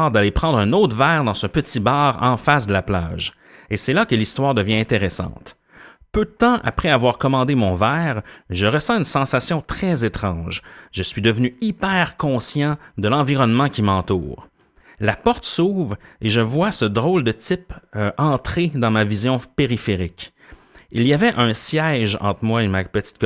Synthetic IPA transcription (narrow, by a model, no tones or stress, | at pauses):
ʁd̪alepχɑ̃d̪ʁɛ̃not̪vɛːʁd̪ɑ̃səpət̪ibaːʁɑ̰̃fasd̪əlapla̰ːʒ | esɛlakəlist̪waːʁd̪əvjɛ̃ɛ̃t̪eʁɛsɑ̰̃ːt̪ | pød̪ət̪ɑ̃ʔa̰pʁɛavwaːʁkɔmɑ̃d̪emɔ̃vɛːʁʒəʁəsɑ̃ynsɑ̃sasjɔ̃t̪χɛzet̪χɑ̰̃ʒʒəsɥid̪əvnyipɛːʁkɔ̃sjɑ̃d̪əlɑ̃viʁɔnmɑ̃kʲimɑ̃t̪ṵːʁ | lapɔʁt̪suːvʁeʒəvwasəd̪ʁɔld̪ət̪ɪpʔɑ̃t̪χed̪ɑ̃mavizjɔ̃peʁifeʁɪkʲ | iliavɛʔə̃sjɛʒɑ̰̃t̪χmwaemapət̪i̥t̪̚k